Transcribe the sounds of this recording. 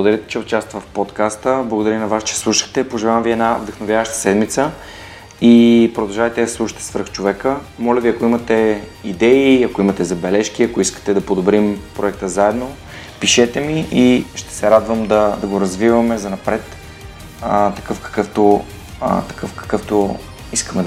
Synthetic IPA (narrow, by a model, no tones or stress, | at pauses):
blˠɡod̪ɐɾʲit̪ɛ̥t͡ʃɛʊt̪t͡ʃast̪vɐfpot̪kast̪əblˠɐɡod̪ɐɾinɐvast͡ʃɛ̥slˠuʃə̥xt̪ɛpoʒɛlˠamviɛd̪navd̪əxnovʲjavəʃt̪ə̥sɛd̪mit̪sə | ipɾod̪ɐlˠʒavɛt̪ɛd̪ɐslˠuʃə̥t̪ɛ̥svəɾxt͡ʃovɛkəmɔlʲəviɐkoimɐt̪ɛid̪ɛiɐkoimɐt̪ɛzɐbɛlɛʃk̟iɐkoiskə̥t̪ɛd̪ɐpod̪obɾimpɾoɛk̚t̪əzaɛd̪no | piʃɛt̪ɛmiʔiʃt̪ɛ̥sɛɾad̪vəmd̪ɐd̪ɐɡoɾɐzvivɐmɛzɐnɐpɾɛt̪ | t̪ɐkɤfkɐ̥kɤft̪o̰ | t̪ɐ̥kɤfkɐ̥kɤft̪o | iskəmɛd̪